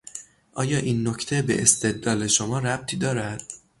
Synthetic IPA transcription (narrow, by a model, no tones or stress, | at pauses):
ʔɒːjɒːʔiːnːocʰt̪ʰe̞be̞̰ʔest̪e̞d̪lɒːle̞ʃomɒːɾæb̥̚t̪ʰiːd̪ɒːɾæd̪̥